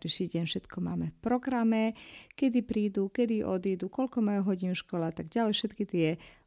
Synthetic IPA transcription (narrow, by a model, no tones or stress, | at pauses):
ɾiʃiːɟɛɲnfʃɛt̪kɔma̰ːmɛfpɾɔɡɾamɛkɛd̪ipɾiːd̪uːkɛd̪iʔɔ̰d̪iːd̪ukɔlkɔmajuɦɔɟinʃkɔlat̪aɡɟalɛfʃɛt̪kit̪ɪɛ